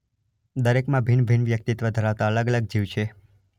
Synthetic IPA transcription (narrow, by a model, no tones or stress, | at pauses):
d̪əɾekmãbʱinbʱinʋjək̚t̪it̪ʋəd̪ʱəɾaʋt̪aələɡələɡ̚d͡ʒiʋt͡ʃʰe